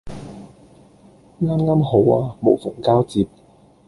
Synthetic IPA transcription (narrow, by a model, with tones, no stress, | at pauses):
ŋaː˥mŋaː˥mho˨˥waː˧mo˨˩wfʊ˨˩ŋkaː˥wt͡siː˨p̚